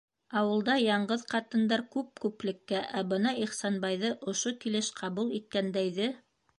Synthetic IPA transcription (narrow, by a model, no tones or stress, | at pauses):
ɑwɤ̆lˠd̪ɑjɑɴɢɤðqɑt̪ɤ̆nd̪ɑɾkʉp̚kʉplɘ̆kːæʔæbɤnɑiχsɑnbɑjðɤʔŏʃokilɘʃqʰɑβulˠit̪̚kænd̪æjðɘ